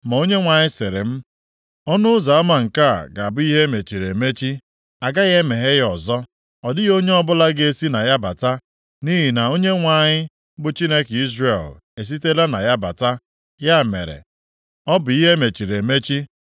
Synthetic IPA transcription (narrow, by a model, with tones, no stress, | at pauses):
ma˨o˦ɲe˦ŋʷa˨ɲɪ˦sɪ˨ɾɪ̰˨m̩˦ | ɔ˦nʊ˦ʊ˦za˨a˦ma˨ŋ̩˨ka̰˦˨ɡa˨a˨bʊ˦i˦ɦe˦me˨t͡ʃi˨ɾe˨me˦t͡ʃi˦ | a˨ɡa˦ɣe˦me˨ɦe˦ɣɔ˨zɔ˦ | ɔ˨dɪ˦ɣo˦ɲe˦ɔ˦bʊ˦la˦ɡe˦si˦na˨ja˦ba̰˨ta˦ | ni˦ɦi˨na˨o˦ɲe˦ŋʷa˨ɲɪ˦ | bʊ˨t͡ʃi˦ne˦ki˦zɾe˨l | e˨s̬i˦te˦la˦na̰˨ja˦ba̰˨ta˦ | ja˦˨mḛ˨ɾḛ˨ | ɔ˦bʊ˨i˦ɦe˦me˨t͡ʃi˨ɾe˨me˦t͡ʃi˦